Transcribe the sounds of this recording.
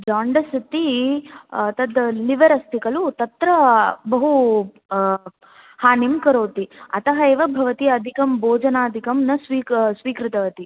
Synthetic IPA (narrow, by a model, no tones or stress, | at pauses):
d͡ʒaːɳɖɐsɐt̪i | t̪ɐd̪liʋɐɾɐst̪ʰikɐlut̪ɐt̪ɾɐbɐɦu | haːnimkɐɾoːt̪iɐ̰t̪ɐɦɐeːʋɐbʱɐʋɐt̪iɐd̪ʱikɐmboːd͡ʒɐnaːd̪ʱikɐmnɐsʋiːksʋiːkɾɪt̪ɐʋɐt̪i